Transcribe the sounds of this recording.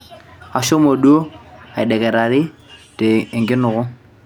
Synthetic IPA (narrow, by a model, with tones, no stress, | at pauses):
a˨ʃo˦mo˨ɗu˦o˦a˨ɪ˨ɗɛ˨ɣɛ˨ɾa˨ðɪ˦te˨ɪ˨ŋɡɪ˦nʊ˨ɣʊ˦